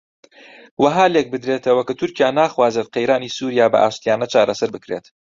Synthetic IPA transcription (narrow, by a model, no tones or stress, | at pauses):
wɐɦaːlek̚bɨd̪ɾet̪ʰɐwɐkɐt̪ʰʊɾcijaːnaːxwaːzet̪̚qejɾaːniːsuːɾijaːbɐ̰ʔa̰ːʃt̪ijaːnɐt͡ʃaːɾɐsɐɾbɨkɾḛːt̪